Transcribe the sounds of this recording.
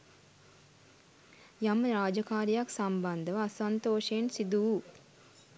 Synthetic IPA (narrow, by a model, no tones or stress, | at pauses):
jaməɾaːd͡ʒɐkaːɾijaksɐmband̪ɐʋaːsɐnt̪oːʃeːnsid̪uː